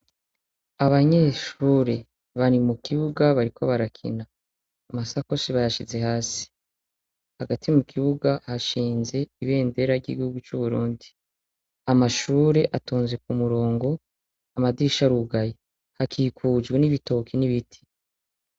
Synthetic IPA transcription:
aβaɲeːʃuːɾe̞ | βaɾimukiβuɡaβaɾikʰo̞βaɾakʰḭnaː | masako̞siβajaʃize̞haːsi̥ | haɡatimukʰiβuɡahaʃiːnze̞iβe̞ːnde̞ɾaɾɟḭɡihuɡut͡ʃuβuɾuːndi | amaʃuːɾe̞ʔatuːnze̞k̚umuɾo̞ːŋɡo̞ | amadiːʃaɾuɡaje | hakʰiːkʰuːd͡ʒɡweniβito̞kʰiniβitʰi̥

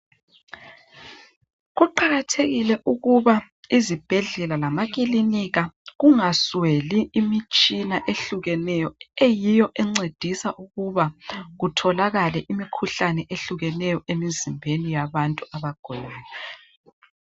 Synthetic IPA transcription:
ɣuǃaɣatʰeɣilɛʔuɣuβa | izib̥ʱɛɮɛlalamaɣʼiliniɣaɣuŋasweliːmit͡ʃʼinaʔeɬuɣɛnɛjɔejijɔʔɛŋ͡ǀed̥ʱisaʔuɣuβaɣutʰɔlaɣalɛʔimikʰuɬanɛʔeɬuɣɛnɛjɔʔemizimbʱenijaβantʼuaβaɡ̥ʱɔlaːjɔ

